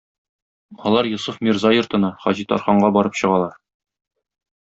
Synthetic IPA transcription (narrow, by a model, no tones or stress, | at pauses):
ɒlˠɑɾjusufmʲirzɑjŏɾt̪ɤ̆nɑχɒʑit̪ɒ̰ɾχɑɴɢɑbɒɾɤpɕɤ̆ʁɑlˠɑɾ